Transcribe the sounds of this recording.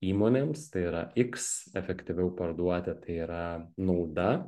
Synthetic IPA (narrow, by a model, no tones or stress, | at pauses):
iːmoːnʲeːmst̪ɐɪiːɾɐʔɪksɛfʲɛkt̪ʲɪʋʲɛʊpɐɾd̪uɔt̪ʲɛt̪ɐɪiːɾɐnɐʊd̪ɐ